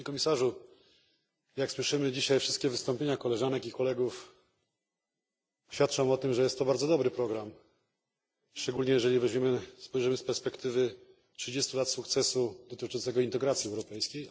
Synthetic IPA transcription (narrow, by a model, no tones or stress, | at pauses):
ɲekɔmʲisaʐu | jakswɘʂɘmɘd͡ʑiɕajfʂɘst̪̚kʲɛvɘst̪ɔmpʲjeɲakɔlɛʐanɛkikɔlɛɡuf | ɕfʲat̪̚t͡ʂɔ̃m̃ɔt̪ɘmʐɛjɛst̪ːɔbaɾd̪zɔd̪ɔbɾɘpɾɔɡɾam | ʂt͡ʂɛɡulɲɛjɛʐɛlʲivɛʑmʲɛmɘspɔjʐɘmɘspɛɾspɛkt̪ɘvɘ | tʂɘd͡ʑest̪ulat̪sukt̪sɛsud̪ɔt̪ɘt͡ʂɔnt̪sɛɡɔint̪ɛɡɾat̪sʲjiɛwɾɔpɛjskʲej